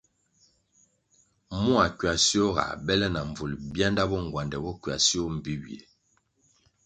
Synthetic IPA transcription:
mu˦a˨kɥa˨si˦o˦ɣa̰˨bɛ˦lɛ˦na˨ɱ˨vu˨lbja˦nda˦bɔ˦ŋ˨ɡwa˨ndɛ˨bɔ˦kɥa̰˨si˦o˦m̩˨bi˦wjḛ˨

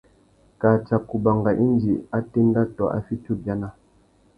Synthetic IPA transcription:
ka˨t͡ʃa˨ku˨ba˨ŋɡa˨ʔi˦nd͡ʒi˨a˦te˦n˦da˦tɔ˨ʔa̰˦fi˦tu˦bja˨˦na˦

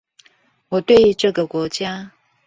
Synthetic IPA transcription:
wɔ˨˩t̪we˥˩ɪy˧˥ʈ͡ʂɤ˥˩ɡə˨kwɔ˧˥t͡ɕja˥

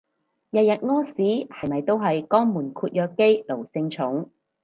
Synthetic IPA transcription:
jɐ˨t̚jɐ˨t̚ŋɔː˥siː˨˥hɐ˨˩jmɐ˨jt̪o˥wɦɐ˨jkɔː˥ŋmuː˨˩nkʰuː˧t̚jœː˧kːe˥jlo˨˩wsɪ˧ŋt͡ʃʰʊ˨˥ŋ

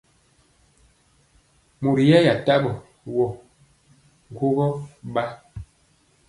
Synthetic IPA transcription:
mu˨ɾi˨jɛ˦ja˨ta˦bɔ˨ | wɔ˨ | ŋ˨ɡwo˦ɡɔ˦ba˦

